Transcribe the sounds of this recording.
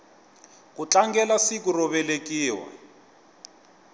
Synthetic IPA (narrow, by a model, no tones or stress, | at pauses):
kut͡ɬʼaŋɡɛlasikurɔβɛlekʼiːwa̰